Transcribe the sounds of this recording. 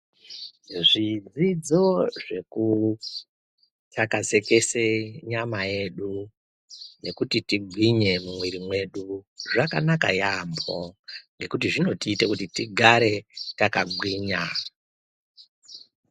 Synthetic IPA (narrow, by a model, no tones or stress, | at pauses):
ʐid͡zid͡zo̞ʐe̞ku | takaze̞ke̞seɲamaje̞ɗu | ne̞kutitiɡʱwiɲe̞mumwiɾimwe̞ɗuʐakanaka̰jambo̰ŋɡe̞kutiʐino̞tiːte̞kutitiɡʱaɾe̞takaɡ͡bʱwiːɲa